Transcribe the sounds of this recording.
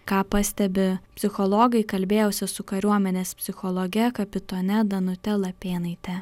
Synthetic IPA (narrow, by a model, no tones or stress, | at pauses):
kɑːpɑsʲt̪ʲɛbʲɪpʲsʲɪxɔlˠɔːɡɐɪkɐlʲbʲeːjɛːsʲɪsʊkɐɾʲuɔmʲɛnʲeːspʲsʲɪxɔlˠɔːɡʲɛkɐpʲɪt̪oːnʲɛd̪ɐnʊt̪ʲɛlˠɐpʲeːnɐɪt̪ʲɛ